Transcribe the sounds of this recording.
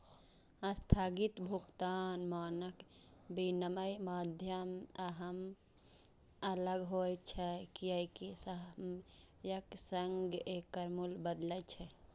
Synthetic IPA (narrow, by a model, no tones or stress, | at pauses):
ə̃st̪ʰaːɡit̪bʱukt̪aːnmaːnəkbinəməjmad̪ʱjəmaɦəm | ələɡɦojt͡ʃʰɛkiəjkesəm | jəksəŋɡekːəɾmulbəd̪lət͡ʃʰɛ